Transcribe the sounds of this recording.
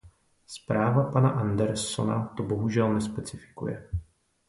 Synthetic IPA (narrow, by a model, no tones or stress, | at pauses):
spɾaːvapanaʔandɛɾso̞̰na̰t̪o̞bo̞ɦuʒɛlnɛspɛt͡sɪfɪ̥kṵjɛ̰